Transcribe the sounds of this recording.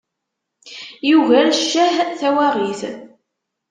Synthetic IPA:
juvæɾʃːæhθæwæʁiθ

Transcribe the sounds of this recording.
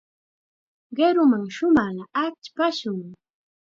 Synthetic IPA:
ɢeɾʊmaŋʃʊmɑχlaat͡ʃpaʃʊŋ

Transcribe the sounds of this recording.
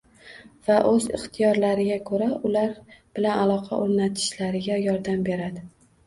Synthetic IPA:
vaʔɵzɪ̰χt̪ʰijɒɾlaɾɪɡʲakʰɵɾaʊlaɾb̥ɪlanalˠɒqʰɑ̰ʔoɾnat̪ʰɪ̥ʃlaɾɪɡʲajɒɾd̪ambe̞ɾad̪ɪ

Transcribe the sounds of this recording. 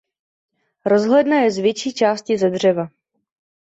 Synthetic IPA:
ɾo̞zɦlɛdnajɛzvjɛt͡ʃiːt͡ʃaːscɪzɛdr̝ɛva

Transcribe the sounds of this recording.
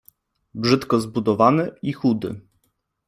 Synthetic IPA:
bʐɘt̪kɔzbud̪ɔvanɘixud̪ɘ̰

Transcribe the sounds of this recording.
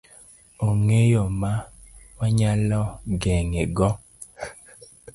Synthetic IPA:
oŋejomawaɲalɔɡɛŋeɡɔ

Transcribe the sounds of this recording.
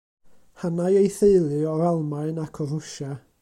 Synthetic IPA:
hanajejθeɨlˠɨɔɾalˠmaɨnakʰɔðʊʃa

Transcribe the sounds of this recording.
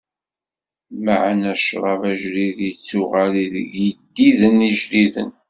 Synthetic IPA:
maʕnæʃɾˤɑvæʒɾiðit͡sːʊʁaliðɡid̪ːiðəniʒliðə̰n

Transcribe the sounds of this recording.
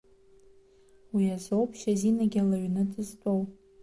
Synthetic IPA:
wiazowpʰʃazinaɡʲalaɥnɨdʰʼɨztʷʼow

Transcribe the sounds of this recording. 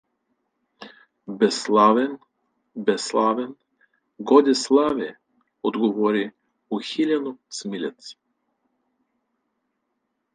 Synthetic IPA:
bɛslˠavɛn | bɛslˠavɛn | ɡɔd̪ʲɛslˠavɛ | ɔd̪ɡɔvɔɾi | uxilʲanut̪smilʲɛt̪s

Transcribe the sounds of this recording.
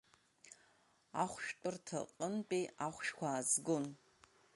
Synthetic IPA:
aχʷʃtʷʼʊrtʰɐ̰qʼənpʼiaχʷʃkʷʰaːzɡon

